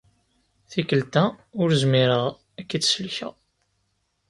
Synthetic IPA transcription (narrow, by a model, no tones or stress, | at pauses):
θikːəlt̪æʊɾzmiɾəʁ | ækːit͡sːsəlçæ̰